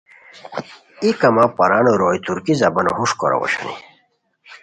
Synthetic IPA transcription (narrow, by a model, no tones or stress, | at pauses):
ikɐmapɐɾanoɾoːjt̪uɾkizɐbɐno̰huʂkoɾa̰wo̰ɕɐ̰nḭ